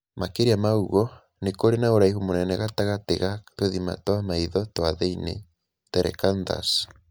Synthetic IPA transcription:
makeɾiamauɣɔ | nekoɾenaoɾaihumonɛnɛɣataɣatḛɣatweðima̰twamaiðɔtwaðeinḛ | tɛɾɛ̰kanda̰s

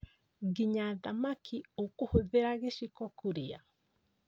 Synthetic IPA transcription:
ɣiɲaðamakiokohoðeɾaɣeʃikɔkuɾea

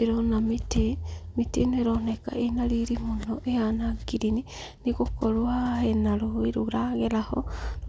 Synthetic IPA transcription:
eɾonamitemiteneɾoneka̰ʔenaɾiɾimonoʔejanaɡiɾini | niɣokɔɾoaenaɾoiɾuɾaɣelahɔ̰

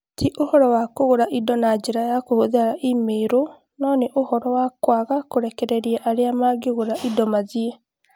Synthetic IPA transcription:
tʰiʔohɔɾɔwakoɣoɾaʔidɔnad͡ʒeɾajakohoðeaɾaʔimeːɾo | nɔnɛʔohɔɾɔwakwaɣakoɾɛkɛɾɛɾiɛʔaɾeamaɡeɣoɾaʔidɔmaðie

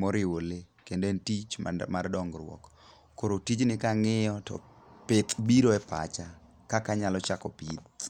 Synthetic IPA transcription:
mɔɾɪwolekendentit͡ʃmardɔŋɡɾwɔ̰k | kːoɾotid͡ʒnɪkaŋɪjɔtɔ̰pɪt̪biɾoɛpa̰t͡ʃa | kakaɲalɔt͡ʃakɔpit̪̚

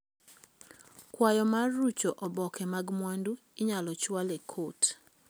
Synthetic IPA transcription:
kwajɔmarːut͡ʃoʔɔbɔkʰɛmaɡmwandu | ɪɲalɔt͡ʃwalekʰot

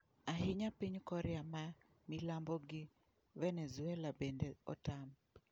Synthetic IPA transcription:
aɦɪɲapiɲkɔɾɛama | milambɔɡi | vɛnɛzuɛlabendeɔ̰tam

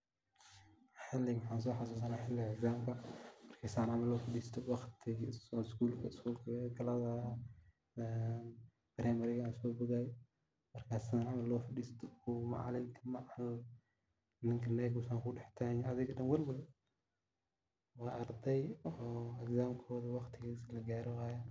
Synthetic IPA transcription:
ħɪlɪmħaːns̬ɔːħas̬uːs̬ɐnaːħɪlːɪɛkzaːmkʰɐmɐrkʰɐsaːnʕamɐlːɔːfɪɗiːst̪ʰɔwɑxt̪ʰɪsɔskuːlkʰɐskuːlkʰɐɡɐlɐða | b̥ɪɾɛːmɐɾɪɣansɔːbʊɣaːj | mɐrkʰaːsanʕamɐlːɔːfɪɗiːst̪ʰɔʊma̰ʕ̰lɪmk̪ʰɐmaʕal | nɪŋkʰɐlɛːɡʊsaːŋkʊɖɛħt̪ʰanɐðɪɣɐdɐnwɐlwʊl | wɑːʔɐɾd̪ɛjɔɛkzaːmkʰɔːðɐwɑxt̪ʰɪɣislɐɡaːɾɪwaːjɐ

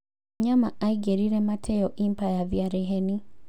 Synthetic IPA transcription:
ɲama̰aiɡɛɾiɾɛmatʰɛɔʔimpajavjaɾɛɦɛni

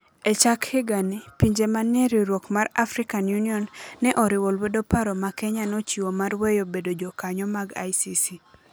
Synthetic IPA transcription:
ɛt͡ʃakhɪɡanipiɲd͡ʒemaneɾiɾwokmaɾafɾɪkanjuniɔnːɛʔɔɾɪwolwodopaɾɔmakɛɲanɔt͡ʃiwomarwejobedod͡ʒɔkaɲɔmaɡa̰jsisi

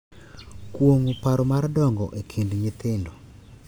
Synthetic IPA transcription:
kwoŋupaɾɔmardɔŋɡɔ̰ʔekʰindɲɪt̪ɪndɔ

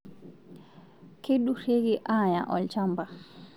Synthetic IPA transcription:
keɗuɾeɡiʔaːja̰ʔɔ̰lt͡ʃamba

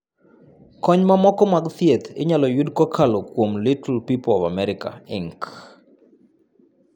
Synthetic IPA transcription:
kɔɲmamɔkɔmaɡt̪iet̪ʰɪ̰ɲalɔjudkɔkʰalokwomlɪtʰlpipɔvamɛɾɪka̰ɪŋk

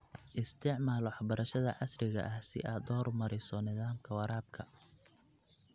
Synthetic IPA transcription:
ʔɪst̪ʰɪʕmaːlwɑħbɐɾɐʃɐðɐʕɑsrɪɣɐ̰ʔɐhsɪ̰ʔaːd̪ɔːrmɐɾɪsɔnɪðaːmkʰɐwɐɾaːb̚kʰɐ

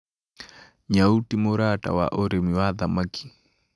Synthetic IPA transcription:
ɲautimoɾata̰wa̰ʔɔɾemiwaðamakʰi̥

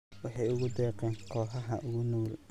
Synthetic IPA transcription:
wɑħɑjʊɣʊd̪ɛːqɛːnkʰɔːħɐɦɐʔʊɣʊnuːl

